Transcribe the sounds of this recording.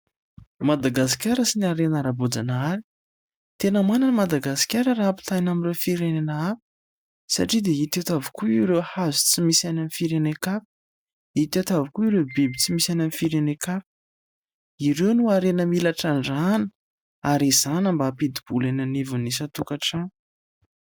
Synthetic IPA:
mad̪aɡas̬i̥kʲaɾəsinaɾenaɾabod͡zanaɾi̥ | t̪enəmananəmad̪aɡasi̥kʲaɾəraapi̥t̪ajnamirefiɾenenaapə̥ | sa̰ʈ͡ʂid̪eit̪et̪avikuiwɾewhazit͡simisajnanifiɾenekapi̥ | it̪et̪avikuiɾewbibit͡simisananifiɾenekapi̥ | iɾewnuaɾenəmilaʈ͡ʂaɳɖ͡ʐanə | aɾizanəmbaːpid̪ib̥ulenanivunisat̪ukaʈ͡ʂa

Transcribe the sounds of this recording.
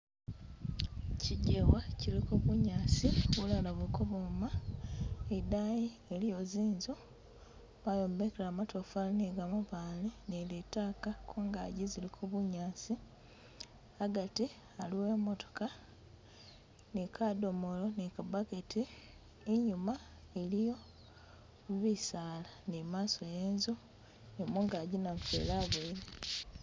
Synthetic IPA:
ciɟewacilikuβuɲaːsiwulalaβekoβuma | edajiːlijoziːnzo | majoːmbekelamatofalniɡamuβaːlinelitaːkakʰuːŋɡaːɟizilikʰuβuɲaːsi | aɡati | aliwe̞ːmoto̥ka | nikʰado̞molonikabaketiː | ɲuma | elijo̞ | βisaːlanimaːsojeːnzo | nemuŋɡaːɟinaɱfḛlaβeiɾe

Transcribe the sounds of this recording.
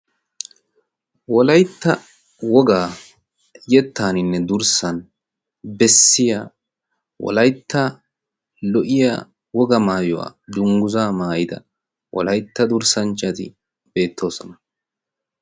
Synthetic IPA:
wɔlɐjt̪ːɐ | wɔɡaː | jɛt̪ːaːnɪnːɛd̪ʊɾsɐn | bɛsːɪjaː | wɔ̰lɐjt̪ːɐ | lɔʔɪja̰ | wɔɡɐmaːjɔwa̰ːd̪ʊŋɡʊzaːmaːjɪd̪ɐ̰ | wɔ̰lɐjt̪ːɐd̪ʊɾsɐnt͡ʃːɐt̪ɪ̰ | b̥e̞ːt̪ʰːo̞ːsɔnɐ

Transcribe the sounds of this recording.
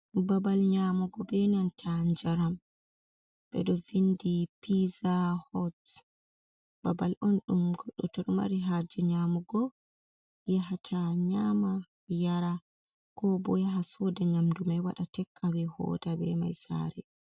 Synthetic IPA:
babalɲaːmuɡɔbɛnantʰand͡ʒaɾam | bɛ̰ɗɔvindipizahɔt | b̥abalʔɔnɗumɡɔɗːɔtoɗuma̰ɾiɦad͡ʒɛɲamuɡɔ | jaɦatʰaɲaːma | jaɾa | kɔbɔjaɦasɔdɛɲamdumajwaɗatɛkʰʼːabɛhɔ̰ːdabɛ̰ma̰jsa̰ːɾɛ

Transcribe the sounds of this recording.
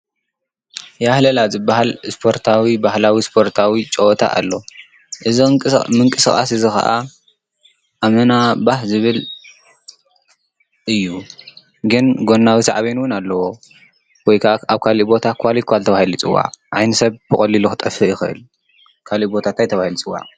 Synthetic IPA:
jahlɐlazɨbːaɦalspʰo̞ɾt̪ʰawibahlawispʰo̞ɾt̪ʰawit͡ʃʼɐt̪ʰa̰ʔa̰lːo | ʔɨzimɨŋkʼɨsɨxʼa̰sɨzɨxa̰ʔa | ʔamɐnabahzɨβɨl | ʔɨjːu | ɡɨnɡo̞nːawisa̰ʕaβenwʊnalːɐwo | wɔjkʰaaβkʰalibo̞t̪ʰakʰalit̪̚kʰalt̪ʰɐβahilut͡sʼɨwːa̰ʕʕajnɐsɐβb̥ɨxʼɐlːiluxɨt̪ʼɐfɨjɪxɨʔɨ̰l | kʰalibo̞t̪ʰat̪ʰajt̪ʰɐβahilut͡sʼɨwːa̰ʕ

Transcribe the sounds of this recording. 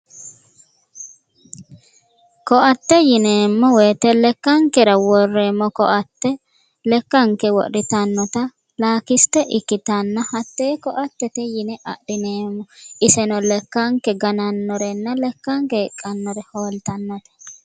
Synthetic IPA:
kɔʔɐt̪ːɛjɪneːmːɔwɛt̪ɛlɛkːɐŋkɛɾɐwɔrːeːmːɔkɔʔɐt̪ːɛ | lɛkːɐŋkɛwɔ̰ʔɾɪt̪ɐnːɔt̪ɐ | laːkɪst̪ɛʔɪkːɪt̪ɐnːɐhɐt̪ːeːkɔʔɐt̪ːɛt̪ɛjɪnɛʔɐ̰ʔɾɪneːmːɔɪsɛnɔlɛkːɐŋkɛɡɐnɐnːɔɾɛnːɐlɛkːɐŋkɛɛkʼːɐnːɔɾɛhoːlt̪ɐnːɐt̪ɛ̥

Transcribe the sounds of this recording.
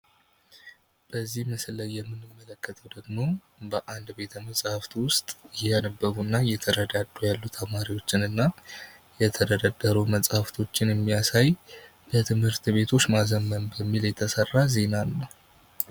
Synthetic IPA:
b̥əzːihməsləjːɛmːɨnɨmːələkːət̪ʰəwd̪əɡmo̞ | bəʔand̪be̞t̪ʰəməsʼhaft̪wʊst̪ʼɪjɛanəbːəɡunːajːɛt̪ʰəɾəd̪ad̪ːujalːut̪ʰəmaɾiwo̞t͡ʃːɪnɨnːa | jɛt̪ʰəd̪əd̪ad̪ːəɾuməsʼhaft̪ʰo̞t͡ʃːɪnjɛmːijasaj | bət̪ʰɨmhɨɾt̪be̞t̪ʰo̞t͡ʃːmazəmːənbəmːiljɛt̪ʰəsərːaze̞nalːəw

